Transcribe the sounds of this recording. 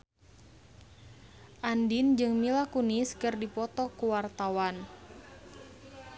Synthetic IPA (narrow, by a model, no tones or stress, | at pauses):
ʔandind͡ʒɨŋmilakuniskɨrdipɔt̪ɔkuwart̪awan